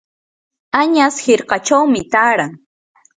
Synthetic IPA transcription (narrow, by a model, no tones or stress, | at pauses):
aɲashɪɾqɑt͡ʃawmɪt̪aːɾaŋ